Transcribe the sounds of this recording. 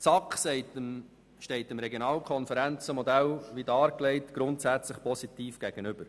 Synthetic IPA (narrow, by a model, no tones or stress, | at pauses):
t͡sɑkχsɛɪtəm | ʃtɛɪtəmɾɛɡjonɑːlkʰɔnfəɾænt͡səmɔd̪ælʋidɑːɾkleɪtɡ̥ɾʊntsæt͡sləχpʰɔsit̪iːfɡ̥ɛɡ̥ənʏb̥əɾ